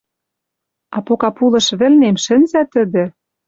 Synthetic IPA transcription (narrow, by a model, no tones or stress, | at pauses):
ɑpokɑpulɤ̆ʃβɘ̆lnemʃɘ̆nzæt̪ɘ̆d̪ɘ̆